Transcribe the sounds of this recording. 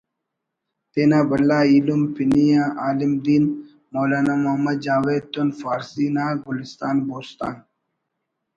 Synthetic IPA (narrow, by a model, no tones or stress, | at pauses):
t̪eːnaːbɐlːaːiːlumpinijaʔaːlimd̪iːn | moːlaːnaːmʊɦɐmːɐd̪̚d͡ʒaːweːd̪̚t̪unfaːɾsiːnaːɡʊlist̪aːnboːst̪a̰ːn